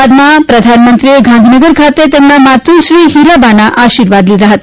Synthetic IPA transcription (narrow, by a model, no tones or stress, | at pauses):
d̪mapɾəd̪ʱanmənt̪ɾieɡʱand̪ʱinəɡəɾkʰat̪et̪emːamat̪ʰuɕɾiːɦiɾabanaʔaɕiɾʋad̪lilaɦat̪